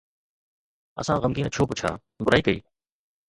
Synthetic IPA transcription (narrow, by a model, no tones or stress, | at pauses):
ɐ̰sãɣəmɡiːnət͡ʃʰoːpʊt͡ʃʰa̰ː | bʊɾaːikəḭː